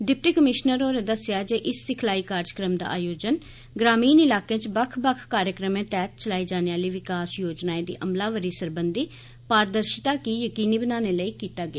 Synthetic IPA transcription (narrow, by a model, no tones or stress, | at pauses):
ɖɪp̚ʈiːkəmɪʃnəɾoːɾẽd̪əsɪjaːd͡ʒeʔɪsːɪkʰlaːiːkaːɾd͡ʒəkɾəmd̪a̰ːʔa̰ːjoːd͡ʒən | ɡɾaːmiːnɪlaːkẽːt͡ʃbəkʰbəkʰkaːɾjəkɾəmẽːt̪ɛːt̪̚t͡ʃəlaːiːd͡ʒaːneːaːliːʋɪkaːsjoːd͡ʒnaːẽːd̪ḭːʔəmlaːʋəɾiːsəɾbənd̪iː | paːɾd̪əɾʃɪt̪aːkiːjəkiːniːbənaːnẽːləiːkiːt̪aːɡɪa